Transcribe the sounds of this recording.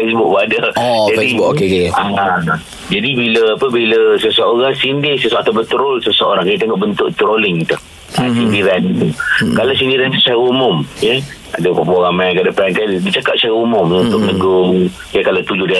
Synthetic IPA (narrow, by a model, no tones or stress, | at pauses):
fesbʊk̚badəd͡ʒafdiʊokkea | d͡ʒadibiləapəbiləsəsəoɾaŋsindɪsəsəat̪abət̪ɾolsəsəoɾaŋkait̪eŋɔʔbənt̪ʊʔt̪ɾolɪŋt̪ah | asindiɾanit̪ukalasindiɾant̪u̥saɣumʊmjə | a̰dəpapuaɣamãjkadapɾankadit͡ʃakap̚saɣumʊmunt̪ʊkləɡʊŋ | kakalat̪ud͡ʒʊdia